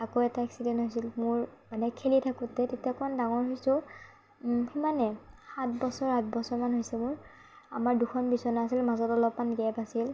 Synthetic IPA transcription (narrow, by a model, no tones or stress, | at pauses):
akoɛtaɛksidɛntɦojsilmʊɹmanɛkʰelitʰakutːɛtetiakɔmandaŋɔɹɦojsʊ̃ | himanɛxatbɔsɔɹhatbɔsɔɹmanɦojsɛmʊɹ | a̰maɹdukʰɔnbisɔnaasilmazɔtɔlɔpmanɡɛpasil